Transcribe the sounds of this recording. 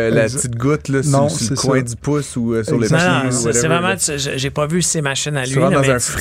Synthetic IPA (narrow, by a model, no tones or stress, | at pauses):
laptt͡sɪt̪̚ɡʊt̪lɔsnɔ̃slkwɛ̃d̪ypʊsuøsyʁlennɔ̃ssɛvʁɛmɑ̃sʒəʒepɔvysemaʃɪnalɥiɑ̃d̪ɑ̃zɛ̃f